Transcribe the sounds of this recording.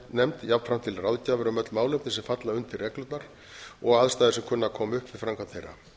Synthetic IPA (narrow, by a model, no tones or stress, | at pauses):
nɛmt̪jap̪fɾam̥t̪ʰɪlrawðcaːvɪɾamœt̪lmaːwlem̥t̪ɪsɛmfat̪laʏnt̪ʰɪrɛːklʏt̪naɾ̥ | ɔɣaðst̪aːjðɪsɛmkʰʏnːakʰɔːmʏhpvɪðfɾamŋkʰant̪ʰejrɾa̰